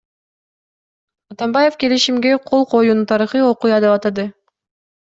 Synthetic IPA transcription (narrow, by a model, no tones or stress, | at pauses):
ɑt̪ɑmbɑje̞fke̞liʃimɡe̞qʰo̞lˠqʰo̞jununt̪ʰɑɾɯχɯo̞qujɑd̪epɑt̪ɑd̪ɯ